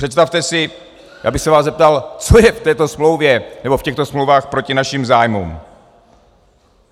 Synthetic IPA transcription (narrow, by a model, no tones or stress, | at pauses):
r̥ɛt̪st̪aft̪ɛsɪ | ja̰ːbɪxsɛvaːzɛp̚t̪alt͡sojɛft̪ɛːt̪o̞smlo̞wvjɛnɛbofcɛxt̪osmlowvaːxpɾo̞cɪnaʃimzaːjmṵm